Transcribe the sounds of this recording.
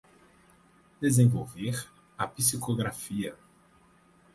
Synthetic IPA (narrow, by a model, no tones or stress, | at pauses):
d̪̥ezẽvo̰wveɾ | ɐpisikoɡɾafiɐ